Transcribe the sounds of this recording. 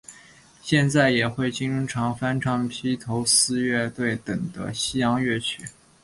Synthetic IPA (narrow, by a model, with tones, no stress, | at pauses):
ɕjɛ˥˧nt͡sa˥˩ɪjɛ˨˩xwe˥˩ɪt͡ɕi˥ŋʈ͡ʂu˥ŋʈ͡ʂʰɑ˧˥ŋfa˥nʈ͡ʂʰɑ˥˩ŋpʰi˥t̪ʰo˧˥ʊsɹ̩˥ɥɛ˥˧t̪we˥˩ɪt̪ɤ˨˩ŋd̪ə̰˦ɕi˥jɑ˧˥ŋɥɛ˥˩t͡ɕʰy˨˩˦